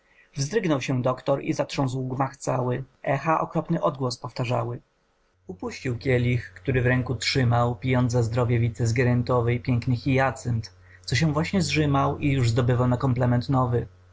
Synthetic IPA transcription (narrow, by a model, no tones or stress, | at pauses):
vzd̪ɾɘɡnɔwɕɛd̪ɔkt̪ɔɾḭzatʂɔ̃ñswɡmaxt̪sawɘɛxaʔɔ̰kɾɔpnɘʔɔd̪̚ɡwɔspɔft̪aʐa̰wɘ | upuɕt͡ɕiwkʲjɛlʲixkt̪uɾɘvɾɛŋkutʂɘmawpʲijɔnt̪azd̪ɾɔvʲjɛvʲit̪sɛzɡʲɛɾɛnt̪ɔvɛjpʲjɛŋknɘxʲijat̪sɛnt̪ | t̪sɔɕ̬ɛvwaɕɲɛzʐɘmawijuʐzd̪ɔbɘvawnakɔmplɛmɛnt̪nɔvɘ